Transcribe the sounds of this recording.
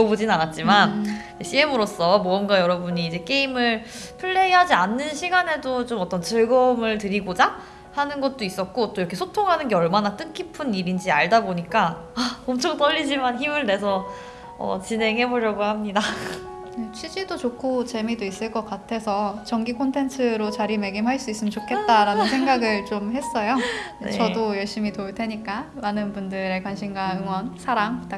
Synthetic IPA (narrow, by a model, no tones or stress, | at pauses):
obod͡ʑinanat̚t͡ɕ͈imanid͡ʑeɕʰiemɯɾos͈ʌmoɯnɡajʌɾʌbuɲiːd͡ʑe̞k͈e̞imɯɭ | pʰɯɭːe̞iɦad͡ʑianːɯnɕʰiɡane̞dot͡ɕomʌt͈ʌnt͡ɕɯɭɡʌmɯɭtɯɾiɡod͡ʑa | hanɯnɡʌt̚t͈ois͈ʌt̚k͈ot͈oiɾʌkʰe̞sʰotʰoŋɦanɯnɡeʌɭmanat͈ɯk͈ʰipʰɯnːibind͡ʑiaɭdaboɲik͈a | aʌmt͡ɕʰoŋ̚t͈ʌʎːid͡ʑimançimɯɭne̞s̬ʰʌ | ʌ̰t͡ɕinɦe̞ŋɦe̞boɾjʌɡohamɲida | et͡ɕʰɥid͡ʑidot͡ɕokʰot͡ɕe̞midois͈ɯɭk͈ʌk͈atʰe̞sʰʌt͡ɕʌŋɡikʰontʰe̞ntʰɯɾot͡ɕaɾime̞ɡimɦaɭs͈uis͈ɯmt͡ɕokʰe̞t̚t͈aɾanɯnsʰe̞ŋɡaɡɯɭt͡ɕomɦe̞s͈ʌjoet͡ɕʌdojʌɭɕ͈imitoɯɭtʰe̞ɲik͈amanɯnbundɯɾekwanɕʰinɡaɯŋwʌnsʰaɾaŋt